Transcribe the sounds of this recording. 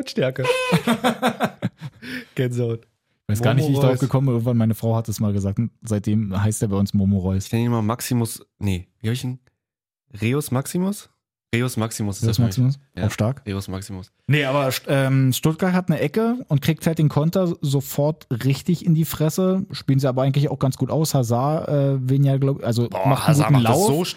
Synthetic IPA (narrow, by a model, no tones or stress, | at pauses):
ʃtɛɐkə | ɡ̥ɛnzoʊn | ɪ̥vaɪsɡɡaːɐnɪçtviɪçdaʁaʊʊfɡ̥əkʰɔmənbɪnɪːɡŋ̩tvanmaɪnəfʁ̥aʊhat̚d̥asmaːlɡəzaːk̚tʊntz̥aɪt̚d̥eːmɦaɪsteːbaɪʊnsmomoʁɔʏsçnɛnəɪmɐmaksimʊsneviːhabɪçn | ʁeːʊsmaksimʊs | ʁeːosmaksimʊsosmasimʊsaʊxʃtaɐkʁeʊsmaksimʊs | nəʔaːbɐʃʔɛːmʃtʊt̚ɡ̥aɐthatnəʔɛkəʊnt̚kʁ̥iːk̚thalt̚d̥eːnkʰɔntɐzofɔɐtʁɪçtɪçɪndiːfʁ̥ɛsəʃpilnziaːbɐaɪŋ̩tlɪçaʊxɡ̥ant͡sɡ̥uːtʔaʊshazaɐʔɛːvɪnjaːɡlaʊbɪçʔalzomaχtnɡuːn̩laʊ